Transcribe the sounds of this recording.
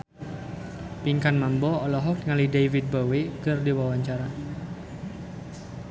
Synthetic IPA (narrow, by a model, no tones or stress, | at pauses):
piŋkanmambɔɔlɔɦɔk̚ŋalidajvit̪̚bawekɨrdiwawaɲt͡ʃaɾa